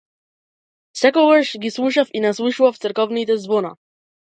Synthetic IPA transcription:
sɛkovəɾʃɡiswuʃafinaswuʃwaft̪sɛɾkɔvnit̪ɛzbona̰

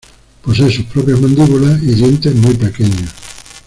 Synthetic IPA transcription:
posesupɾɔpɾjozmãnd̪iβulaiʎent̪emujpekeɲo

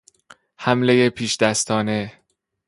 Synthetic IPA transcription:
hæmle̞jepʰiːʃd̪̥æst̪ʰɒːne̞

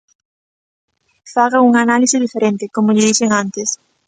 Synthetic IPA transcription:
faɣauŋanalisɪðifeɾent̪ɪkomʊʎɪðiseŋãnt̪ɪs

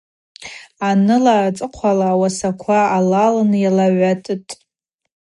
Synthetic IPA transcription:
anɨlaːt͡sʼɨqʷʰalawasakʷʰaːlalɨnjalaɥatʼɨtʼ

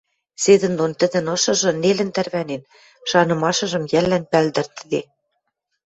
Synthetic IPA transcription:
sed̪ɘ̆nd̪ont̪ə̆d̪ə̆nɤ̆ʃɤ̆ʒɤ̆nelɘ̆nt̪ærβænen | ʃɑnɤ̆mɑʃɤ̆ʒɤ̆mjælːænpæld̪ɘ̆rt̪ɘ̆d̪e

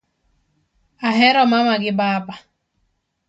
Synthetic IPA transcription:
aɦɛɾɔmamaɡɪbaba

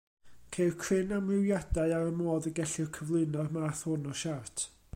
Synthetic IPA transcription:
kʰejkʰrɪnamɪwjadaɨaɾəmoːðəɡɛɬɪrkʰəvlˠɨnɔrmaθhʊnɔʃartʰ

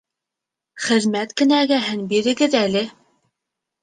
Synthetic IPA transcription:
χɘ̆ðmæt̪kɘ̆næɡæɦɘnbiɾɘ̆ɡɘðælɘ

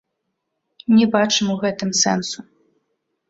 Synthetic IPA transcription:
nʲɛbat͡ʂɨmuɣɛt̪ɨmsɛ̰nsu

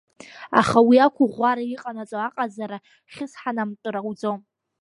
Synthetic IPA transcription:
a̰χawiakʷʰʊʁʷaɾaiqʼanat͡sʼoaqʼazaɾa | χʲɪsħanamtʼɨɾawd͡zom

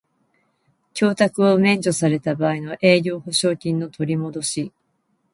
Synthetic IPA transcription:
kʲo̞ːt̪akɯ̟o̞mẽ̞ɲ̟d͡ʑo̞saɾe̞t̪abaːino̞ʔe̞ːɡʲo̞ːho̞ɕo̞ːkʲĩnːo̞t̪ʰo̞ɾʲimo̞d̪o̞ɕi

